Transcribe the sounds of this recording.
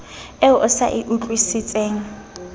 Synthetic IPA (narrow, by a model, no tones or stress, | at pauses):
ɛʔʊsa̰ʔɪʔut͡ɬʼwisɪt͡sʼeːŋ̩